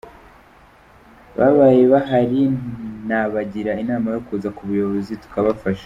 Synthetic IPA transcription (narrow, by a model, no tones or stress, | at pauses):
βa̰βajeβaɦaɾinaβaɟiɾainaːmajo̞kuzakuβujo̞βo̞zitu̥kaβafaʃḁ